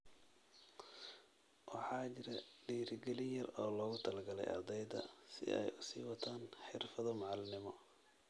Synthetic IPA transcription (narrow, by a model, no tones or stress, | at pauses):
wɑħɑːt͡ʃɪɾɐɖiːɾɡɛlɪnjɐrɔːlɔːɣʊt̪ʰɐlɐɡɐlɛ̰jɐ̰d̪ɛjd̪ɐ̰sɪ̰ʔɛ̰jʊsḭːwɐt̪ʰaːnħɪrfɐðɔmɑʕɑlnɪmɔ